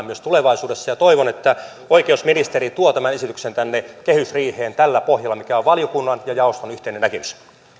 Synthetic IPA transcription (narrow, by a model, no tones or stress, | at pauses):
myøst̪uleʋɑisuːdesːɑjɑt̪oiʋonet̪ːæ | oikeusminist̪eɾit̪uot̪æmænesit̪yksent̪ænːekehysriːheːnt̪ælːæpohjɑlːɑmikæoʋʋɑljokunːɑnjɑjɑost̪onyht̪einenːækemys